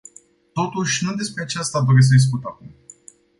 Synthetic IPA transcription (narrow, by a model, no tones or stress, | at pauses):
t̪o̞t̪uʃʲnud̪e̞spɾe̞at͡ʃast̪ad̪o̞ɾes̬əd̪is̬kut̪akum